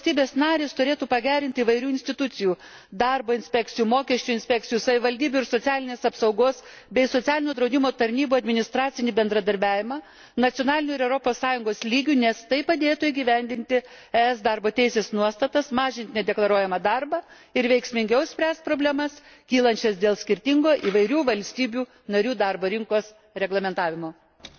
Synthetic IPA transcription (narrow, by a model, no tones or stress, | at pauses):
st̪ʲiːbʲeːsnɑːɾʲeːst̪ʊɾʲeːt̪uːpɐɡʲæːɾʲɪnʲt̪ʲɪiːʋɐɪɾʲuːɪnʲsʲt̪ʲɪt̪ʊt̪sʲɪjuː | d̪ɑɾboːɪnʲsʲpʲɛk̚t͡s̪ʲɪjuːmoːkʲɛʃʲt͡ʃʲuɪnʲsʲpʲɛk̚tt͡s̪ʲɪjuːsɐʋʲɪʋɐlʲd̪ʲiːbʲʊɪɾsot͡s̪ʲɑːlʲɪnʲeːsɐpsɐʊɡoːs | bʲɛɪsosʲɑːlʲɪnʲuːd̪ɾɐʊd̪ʲɪmoːt̪ɐɾʲnʲiːbuːɐd̪ʲmʲɪnʲɪst̪ɾɑːt̪sʲɪnʲibʲɛnd̪ɾɐd̪ɐɾʲbʲæːʋʲɪmɑː | nɐt̪ʲjonɑːlʲɪnʲuːɪɾɛʊɾopoːsːɑːjʊŋɡoːslʲiːɡʲunʲɛst̪ɐɪpɐd̪ʲeːt̪ʊɪɡʲiʋʲɛnʲd̪ʲɪnʲt̪ʲɪ | ɛɛsd̪ɑɾboːt̪ʲɛɪsʲeːsnuɔst̪ɐt̪ɐsmɑːʒʲɪnʲt̪ʲnʲɛd̪ʲɛklˠɐɾuɔjɛmɐd̪ɑrbɐː | ɪɾʋʲɛɪksʲmʲɪŋʲɡʲɛʊsʲpʲɾʲæːst̪̚pɾoːbʲlʲɛmɐs | kʲiːlˠɐnʲt͡ʃʲɛsd̪ʲeːlˠsʲkʲɪɾʲt̪ʲɪŋɡoːʔiːʋɐɪɾʲuːʋɐlʲsʲt̪ʲiːbʲuː | nɐɾʲuːd̪ɑɾboːɾʲɪŋkoːs | ɾʲɛɡlˠɐmʲɛnt̪ɑːʋʲɪmoː